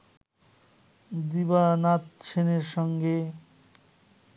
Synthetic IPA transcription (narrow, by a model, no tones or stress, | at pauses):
d̪ibanat̪̚t͡ɕʰeneɾʃɔŋɡe